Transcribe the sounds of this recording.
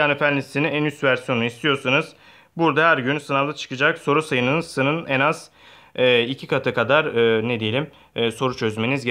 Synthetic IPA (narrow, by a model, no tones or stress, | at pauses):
anɯfænlːʲist̪iniænyst̪væɾsijo̞nuist̪ʰijo̞ɾsunuz | buɾd̪aɦæɾɟynsɯnalˠd̪at͡ʃʰɯ̥kɯd͡ʒakso̞ɾusajɯnɯnsɯnɯnɛnaz̥ | ɛːicʰikat̪ʰɯkad̪aɾɯːned̪ejelʲimː | so̞ɾut͡ʃʰø̞zme̞nizɡe